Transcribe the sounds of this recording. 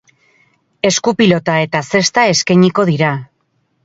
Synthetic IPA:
e̞skupilo̞t̪ae̞t̪ase̞st̪ae̞skaɲiko̞ðiɾa

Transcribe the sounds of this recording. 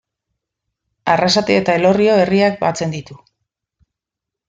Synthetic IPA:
arasat̪eet̪ae̞lo̞rio̞e̞riak̚bat͡se̞nd̪it̪u

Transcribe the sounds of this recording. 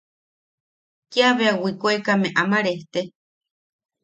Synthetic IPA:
kiaβeawikoekameʔamaɾeht̪e

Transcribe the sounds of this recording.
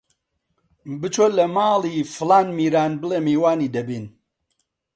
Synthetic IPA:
bɨt͡ʃolɐmaːliːfɨlaːnmiːɾaːnbɨleːmiːwaːniːd̪ɐbiːn

